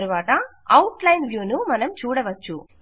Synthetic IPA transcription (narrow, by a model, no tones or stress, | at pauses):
ɾɯʋaːʈaː | ɐwʈlɐjnʋjuːnumɐnɐmt͡ʃuːɽɐʋɐt͡ʃːu